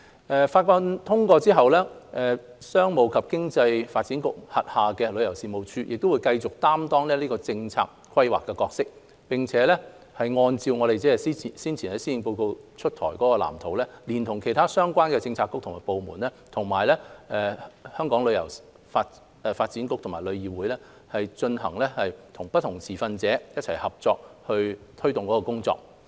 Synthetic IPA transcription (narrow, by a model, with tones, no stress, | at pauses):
ʔɛː˧faː˧t̚kɔː˧t̪ʰʊ˥ŋkɔː˧t͡siː˥ɦɐ˨wlɛː˥ʔɛː˨sœː˥ŋmo˨˩wkʰɐ˨p̚kɪ˥ŋt͡sɐ˧jfaː˧t̚t͡siː˨˥nkʊ̰˨k̚hɐ˨t̚haː˨kɛː˧lɵ˨˧ɥjɐ˨˩wsiː˨mo˨˧wt͡ʃʰyː˧jʔɪ˨k̚t̪o˥wu˨˧jkɐ˧jt͡sʊ˨˩k̚t̪aː˥mt̪ɔː˥ŋlɛː˥liː˥kɔː˧t͡sɪ˧ŋt͡sʰa̰ː˧k̚kʰwɐ˥jwaː˨kːɛ˧kɔː˧k̚sɪ˥k̚ | pɪ˨˩ŋt͡sʰɛː˨˦˥lɛ˥ | hɐ˨jŋɔː˧nt͡siː˧wŋɔː˨˧ɾe˨t͡sɛː˥ɛ˨si˥˨˩siː˥nt͡sʰiː˨˩nhɛ˨˥siː˥i˨˥ŋpo˧wko˧wt͡ʃʰɵ˥t̚t̪ʰɔ̰ː˨˩jkɔː˨˥kɔː˧la̰ː˨˩mt̪ʰo˨˩wlɛː˥liː˨˩nt̪ʰʊ˨˩ŋkʰe˨˩jt̪ʰaː˥sœː˥ŋkʷwaː˥nkɛː˧t͡sɪ˧ŋt͡sʰaː˧kʊ˥k̚tʰʊ˨˩maː˨˩po˨˧wmuː˨˩nɛː˥t̪ʰʊ˨˩ŋmaː˨˩jlɛː˥ɛ˨hœː˥ŋkɔː˨˥ŋlɵ˨˧ɥjɐ̰˨˩w | faː˧t | ɛ˨˧faː˧t̚t͡siː˨˥nkʊ˥k̚t̪ʰʊ˨ŋmaː˨˩jlɵ˨˧ɥjiː˨wuː˨˥jlɛː˥ | hɐ˨jt͡ʃɵ˧nɦɐ̰˨˩ŋlɛː˥hɐ˨jt̪ʰʊ˨˩ŋpɐ˥t̪̚ʰʊ˨˩ŋt͡sʰiː˨˩fɐ˧nt͡sɛː˨˥jɐ˥t̚t͡sʰɐ˨˩jhɐ˨˩p̚t͡sɔː˧k̚hɵ˧ɥt̪ʰɵ˥ɥt̪ʊ˨ŋkɔ˨˥ɔ˧kʊ˥ŋt͡sɔ̰ː˧k̚